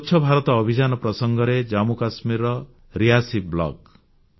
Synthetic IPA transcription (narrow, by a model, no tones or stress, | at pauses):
tːt͡ʃʰɔbʱaɾɔt̪ɔːbʱid͡ʒanɔpɾɔsɔŋɡɔɾed͡ʒamukasmiɾɔ | ɾiasiblɔ̰k